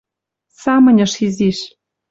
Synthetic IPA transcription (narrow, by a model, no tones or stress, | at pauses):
sɑmɤ̆nʲɤ̆ʃiziʃ